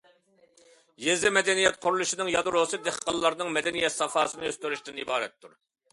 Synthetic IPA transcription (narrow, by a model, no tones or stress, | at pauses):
jezɪmɛd̪ɛnijɛt̪̚qʰʊɾulˠuʃinɨŋjɑd̪ɨɾosɨd̪eχqɑlˠːɑɾnɨŋmɛd̪ɛnijɛt̪sɑfɑːsɨnɨøst̪yɾyʃt̪ɪnibɑːɾɛ̰t̪ʰːuɾ